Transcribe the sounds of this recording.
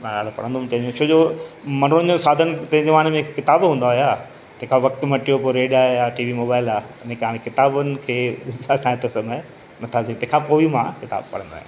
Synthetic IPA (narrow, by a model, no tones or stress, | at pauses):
mãaːɽ̤opɐ̰ɽə̃nd̪oʊ̃mt̪ɐ̃ɦɪ̃ɲd͡ʑõt͡ɕʰoːd͡ʑoːmɐñnd͡ʑõsaːd̪ʱənɪ̆t̪ɐ̃ɦɪ̃ɲd͡ʑeʋaːnmẽɪkkɪt̪aːbɦũːn̆d̪aːɦʊjaː | t̪ɐ̃ɦɪ̃kʰãʋɐkt̪mɐʈijopoɾeːɖajaʈiːʋimoːbaːɪlaːɐnẽkaːɽ̃ekɪt̪aːbʊnɪ̆kʰeːʋɪzasãːɪ̃t̪esɐme | nɐt̪ʰat̪ʰĩt̪ɐ̃ɦɪ̃kʰãpoːimãkɪt̪a̰ːbpɐ̰ɽə̃nd̪aːɦ